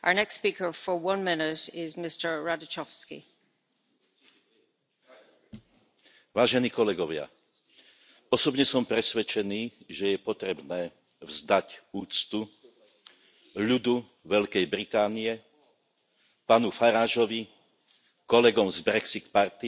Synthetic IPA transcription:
ʔə̰ə˞nɛkstspikə˞fə˞wʌ̃nmɪnɪɾɪzmɪstə˞ɹadət͡ʃɔfskḭ | ʋaːʒɛniːkɔlɛɡɔʋɪa̰ | ɔsɔbɲɛsɔmpɾɛsʋɛt͡ʃɛniːʒɛjɛpɔt̪ɾɛbnɛː | vzd̪acuːt͡st̪u | ʎud̪u | ʋɛʎkɛjbɾit̪aːniɛ | paːnufaɾaːʒɔʋi | kɔlɛɡɔmzbɾɛksit̪paɾt̪i

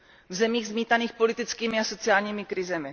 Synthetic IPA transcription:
vzɛmiːɣzmiːt̪aniːxpo̞lɪt̪ɪt͡skiːmɪaso̞t͡sɪaːlɲiːmɪkɾɪzɛmɪ

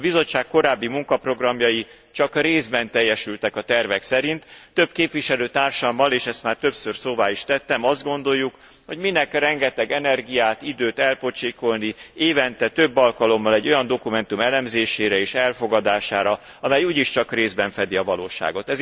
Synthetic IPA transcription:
bizo̞t͡ʃːaːkko̞ɾaːbːimuŋkɒpro̞ɡrɒmjɒji | t͡ʃɒkreːzbɛnt̪ɛjːɛʃylt̪ɛkɒt̪ɛrvɛksɛɾint̪ːø̞bkeːpʋiʃɛløːt̪aːrʃɒmːɒleːʃɛst̪maːrt̪ø̞psørsoːvaːiʃt̪ɛt̪ːɛmɒzd̪̚ɡo̞n̪d̪o̞jːuk | ho̞ɟminɛkrɛŋɡɛt̪ɛɡɛnɛrɡijaːt̪id̪øːt̪ɛlpo̞t͡ʃiko̞lnieːvɛnt̪ɛt̪ø̞bːɒlkɒlo̞mːɒlɛɟːo̞jɒnd̪o̞kumɛnt̪umɛlɛmzeːʃeːɾɛeːʃɛlfo̞ɡɒd̪aːʃaːɾɒ | ɒmɛjuːɟiʃt͡ʃɒkreːzbɛɱfɛd̪iɒvɒloːʃa̰ːɡo̞t̪ɛz

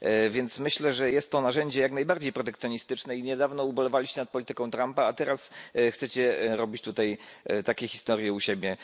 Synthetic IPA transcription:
vʲjɛnt̪smɘɕlɛʐɛjɛst̪ːɔnaʐɛɲd͡ʑɛjaknajbaɾd͡ʑejpɾɔt̪ɛkt̪sʲjɔɲist̪ɘt͡ʂnɛiɲɛd̪avnɔubɔlɛvalʲiɕt͡ɕɛnat̪pɔlʲit̪ɘkɔ̃w̃t̪ɾampaːt̪ɛɾasxt̪sɛt͡ɕɛɾɔbʲit͡ɕt̪ut̪ajt̪akʲɛxʲi̥st̪ɔɾjɛuɕebʲjɛ

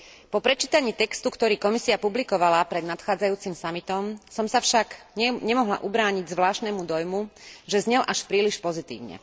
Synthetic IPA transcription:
pɔpɾɛt͡ʃiːt̪aɲiːt̪ɛkst̪ukt̪ɔɾiːkɔmisiapublikɔʋalapɾɛd̪nat̪xaːd͡zajuːt͡simsamit̪ɔmsɔmsafʃaɡɲɛmɔɦla̰ʔubɾaːɲiɟzʋlaːʃt̪nɛmud̪ɔjmuʒɛzɲɛlʔaʃpɾiːliʃpɔzit̪ḭːʋɲɛ̰

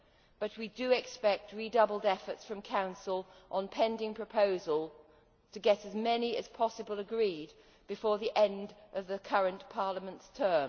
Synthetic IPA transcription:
b̥ʌt̚widɨɪkspɛk̚t̚ʰɹidʌbl̩ˠdɛfə˞tsfɹʌ̃mkʰãʊ̃nsəlˠʔə̃npʰɛ̃ndɪ̃ŋpʰɹ̥ɨpʰoʊzəlˠ | tʰɨɡɛɾɨzmɛniɨz̥pʰɑsəbəlˠəɡɹid̚ | b̥ɨfɔɹðiʔɛ̃ndʔʌvðɨkʰʌɹɨ̃npʰɑɹləmə̃ntstʰɜ˞m

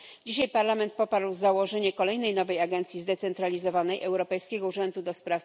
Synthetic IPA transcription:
d͡ʑiɕajpaɾlamɛnt̪̚pɔpaɾwzawɔʐɛɲɛkɔlɛjnɛjnɔvɛjaɡɛnt̪sʲjizd̪ɛt̪sɛnt̪ɾalʲizɔvanɛjʔɛwɾɔpɛjskʲeɛɡɔuʐɛnd̪ud̪ɔspɾaf

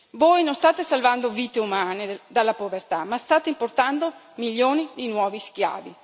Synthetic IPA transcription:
voːjnonst̪aːt̪esalvand̪oviːt̪eumaːned̪alːapovert̪amast̪aːt̪eimport̪and̪o | miʎːoːnid̪inwɔːvisk̟ja̰ːvi

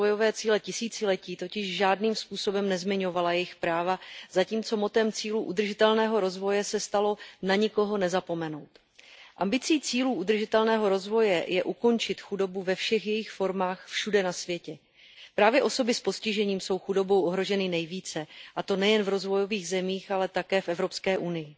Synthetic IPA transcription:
ojo̞vɛːt͡siːlɛcɪsiːt͡sɪlɛciːt̪o̞cɪʃʒaːdniːmspuːso̞bɛmnɛzmɪɲo̞valajɛjɪxpɾaːvazaciːmt͡so̞mo̞t̪ɛmt͡siːluːʔud̪r̩ʒɪt̪ɛlnɛːɦo̞ɾo̞zvo̞jɛsɛst̪alo̞naɲɪko̞ɦo̞nɛzapo̞mɛno̞wt̪ | ʔambɪt͡siːt͡siːluːʔud̪r̩ʒɪt̪ɛlnɛːɦo̞ɾo̞zvo̞jɛjɛʔuko̞nt͡ʃɪt̪xudo̞buvɛfʃɛxjɛjɪxfo̞ɾmaːxfʃudɛnasvjɛcɛ | pɾaːvjɛʔo̞so̞bɪspo̞scɪʒɛɲiːmso̞wxudo̞bo̞wʔoɦɾo̞ʒɛnɪnɛjviːt͡sɛʔat̪o̞nɛjɛnvɾo̞zvo̞jo̞viːɣzɛmiːxalɛt̪akɛːfʔɛvɾo̞pskɛːʔunɪjɪ

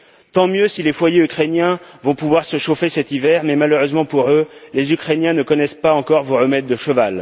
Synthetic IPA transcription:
t̪ɑ̃mjøsilefwajeykχenjɛ̃vɔ̃puvwaʁsəʃofesɛt̪ivɛʁmɛmaløʁøzmɑ̃puʁølezykχenjɛ̃nəkɔnɛspaɑ̃kɔʁvoʁəmɛd̪ːəʃəval

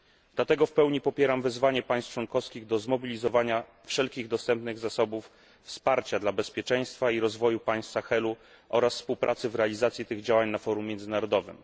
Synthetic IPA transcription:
d̪̥lat̪ɛɡɔfpɛwɲipɔpʲjɛɾamvɘzvaɲɛpaj̃st̪t͡ʂwɔnkɔfskʲiɣd̪ɔzmɔbʲilʲizɔvaɲa | fʂɛlkʲiɣd̪ɔst̪ɛmpnɘɣzasɔbufː | spaɾt͡ɕad̪labɛspʲjɛt͡ʂɛj̃st̪faiɾɔzvɔjupaj̃st̪saxɛlu | ʔɔɾasfspuwpɾʔat̪sɘvɾɛalʲizat̪sʲjit̪ɘɣd͡ʑawaɲnafɔɾumʲːjɛnd̪zɘnaɾɔd̪ɔvɘ̰m

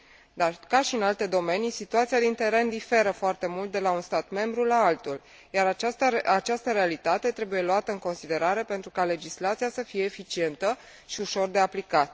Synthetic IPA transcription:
d̪arkaʃiɨnalt̪e̞d̪o̞me̞nisit̪uat̪sijad̪int̪e̞ɾe̞nd̪ife̞ɾəfoart̪e̞mult̪̚d̪e̞launst̪at̪me̞mbɾulaalt̪ul | jaɾat͡ʃaat͡ʃast̪əɾe̞alit̪at̪e̞t̪ɾe̞buje̞luat̪əɨŋko̞nsid̪e̞ɾaɾe̞pent̪ɾukale̞d͡ʒislat̪sijasəfije̞ːfit͡ʃie̞nt̪ə | ʃiuʃo̞rd̪e̞aplikat̪

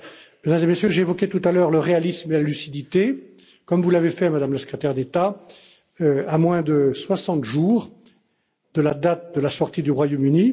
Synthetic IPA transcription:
mɛd̪ɛmzemesjøʒeːvɔkʲet̪ut̪alœʁləʁealismelalysid̪it̪e | kɔmvulavefɛmad̪amləsə̥kχet̪ɛʁd̪et̪a | amwɛ̃d̪əswasɑ̃t̪ʒuːʁ | d̪əlad̪at̪̚d̪əlasɔʁt̪id̪yʁwajomyni

